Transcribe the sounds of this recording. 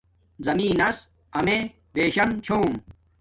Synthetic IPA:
zɐmiːnɐs | ɐme | beːɕɐmt͡ɕʰoːm

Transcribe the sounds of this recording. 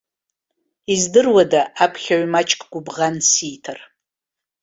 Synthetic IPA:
izdɨrwadaʔapʰχʲaɥmat͡ʃʼkʼɡʷʊbʁansijtʰar

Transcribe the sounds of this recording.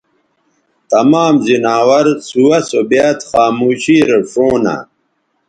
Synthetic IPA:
t̪ɐmaːmzinaːwɐɾsuwɐsobaːt̪xaːmuːɕiːɾɐʂoːna̰

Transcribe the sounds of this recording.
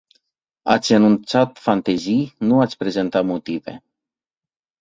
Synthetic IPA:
a̰t̪sʲənunt̪sat̪fant̪ezijnuat̪sʲpɾe̞zent̪at̪mot̪ive̞̰

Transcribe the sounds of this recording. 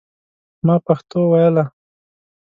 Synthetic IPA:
mɑpaxt̪owajəla

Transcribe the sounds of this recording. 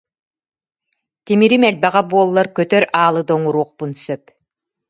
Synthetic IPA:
t̪imiɾimɛlbɛʁabuɔlˠːaɾkœt̪œɾaːlˠɯd̪ɔŋuɾuɔqpunsœp

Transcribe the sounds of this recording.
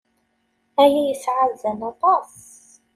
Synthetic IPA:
æjæjəsʕaðzænɑt̪ˤɑs

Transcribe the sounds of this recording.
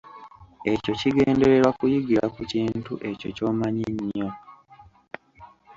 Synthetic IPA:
e̞co̞ciɡe̞ːnde̞ɾe̞ɾwakujiɡiɾakuciːntuʔe̞co̞̰co̞ːmaɲiɲːo̞

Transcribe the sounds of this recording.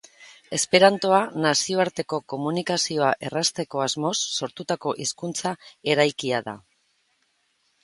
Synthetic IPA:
e̞spe̞ɾant̪o̞anasio̞aɾt̪e̞ko̞ko̞munikasio̞aʔe̞rast̪e̞ko̞azmo̞sːo̞ɾt̪ut̪ako̞ʔiskunt͡sae̞ɾajkiaða̰

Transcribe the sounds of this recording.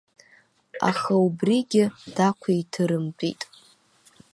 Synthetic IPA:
a̰χaubriɡʲɪd̥akʷʰaitʰɨɾɨmpʼḭtʼ

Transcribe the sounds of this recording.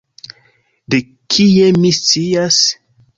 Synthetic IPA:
de | kʰiemist͡sias

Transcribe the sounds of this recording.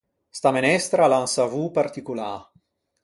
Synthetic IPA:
st̪amenɛst̪ɾalansavupart̪ikula

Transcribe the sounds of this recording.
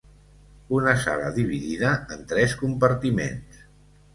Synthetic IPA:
unəsa̰lə̰ðiβ̞iðiðəːnt̪ɾɛskumpəɾt̪imḛns

